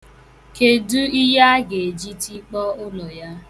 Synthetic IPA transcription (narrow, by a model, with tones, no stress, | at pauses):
ke˨du˦i˦ja˦ɡe˨e˨d͡ʒi˦ti˦k͡pɔ˦ʊ˦nɔ˨ja˦